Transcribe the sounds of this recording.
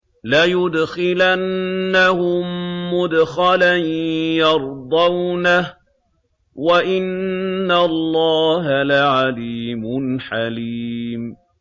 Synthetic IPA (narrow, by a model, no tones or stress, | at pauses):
lajʊd̪xɪlanːahʊmːʊd̪xalanjɑɾˤd̪ˤɑwnah | waʔɪnːalˤːɑːɦalaʕaliːmʊnħaliːm